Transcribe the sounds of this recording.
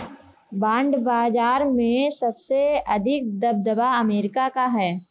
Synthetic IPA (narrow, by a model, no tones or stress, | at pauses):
bãːɳɖbaːd͡ʒaːɾmẽsɐbseɐd̪ʱɪk̚d̪ɐb̚d̪əbaɐmeːɾɪkakaɦɛː